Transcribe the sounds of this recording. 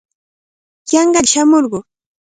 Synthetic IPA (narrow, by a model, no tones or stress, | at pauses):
jɑɴɢɑʎʃamoɾɢʊ